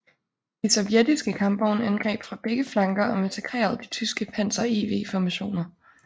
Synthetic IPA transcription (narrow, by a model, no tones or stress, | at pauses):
d̥isɒ̽ʋjed̥isɡ̥əkʰɑ̈mb̥ɒʊnænɡ̥ʁɛ̰ːb̥fʁɑ̈b̥eɡ̥əflɑ̈ŋɡ̥ɐʔɒ̽me̝nt͡sʰe̝ɡ̥ʁɛ̰ːɐð̩ˠd̥it͡sʰysɡ̥əpʰæn̰sɐḛːʋe̝̰ːfɒmæɕo̝̰ːnɐ